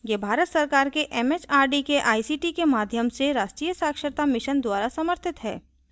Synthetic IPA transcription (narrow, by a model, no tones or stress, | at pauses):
jebʱaːɾət̪sɐɾkaːɾkeʔɛmet͡ʃaːɾɖikeʔaːisiːʈikemaːd̪ʱjəmseɾaːʃʈɾiːjəsaːkʃəɾt̪amɪʃənd̪waːɾasɐməɾt̪ʰɪt̪ɦɛ̰ː